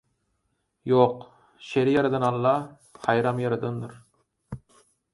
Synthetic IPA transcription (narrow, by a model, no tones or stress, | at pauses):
joq | ʃeɾjɑɾɨd̪ɨnɑlˠːɑ | hɑjɾɑmjɑɾɨd̪ɯnd̪ɨɾ